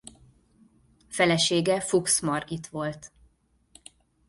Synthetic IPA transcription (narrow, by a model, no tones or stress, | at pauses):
fɛlɛʃeːɡɛfuksmɒrit̪ʋo̞lt̪